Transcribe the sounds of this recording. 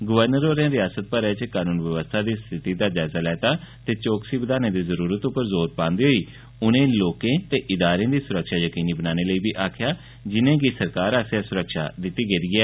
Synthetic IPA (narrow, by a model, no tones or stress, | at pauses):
ɡʊʋəɾnəɾoːɾɛ̃ːɾɪjaːsət̪̚pəɾɛːt͡ʃkaːnuːnʋəʋəst̪ʰaːd̪iːst̪ʰɪt̪iːd̪aːd͡ʒaːzaːlɛːt̪aːt̪eːt͡ʃoːksiːbəd̪aːneːd̪iːzəɾuːɾət̪ʊpːəɾzoːɾpãːnd̪iːɦoːiː | ʊnẽːloːkẽːt̪eːʔɪd̪aːɾẽːd̪iːsʊɾəkʃaːjəkiːniːbənaːñeːləiːbiːʔaːkʰjaː | d͡ʒɪnẽːɡiːsəɾkaːɾaːsjaːsʊɾəkʃa̰ːd̪ɪt̪ːiːɡeːd̪iːɛː